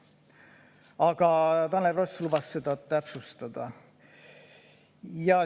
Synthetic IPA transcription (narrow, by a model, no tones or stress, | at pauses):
ɑɡ̥ɑt̪ɑnːeroslubɑsːe̞d̪̥ɑt̪æpsust̪ɑd̪̥ɑ | jɑ